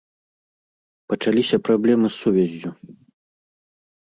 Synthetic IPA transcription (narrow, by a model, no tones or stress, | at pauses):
pɐt͡ʂalʲisʲɐpɾablʲɛmɨsːuvʲazʲːu